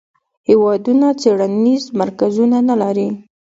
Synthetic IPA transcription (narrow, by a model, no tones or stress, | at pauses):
hewɑd̪unat͡seɽanizmaɾkazunanalaɾi